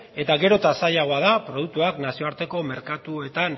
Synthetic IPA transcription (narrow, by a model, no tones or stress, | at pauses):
e̞t̪aɣe̞ɾot̪asajaɣo̞aðapɾo̞ð̞uk̚t̪uaknasio̞aɾt̪e̞ko̞me̞ɾkat̪ue̞t̪an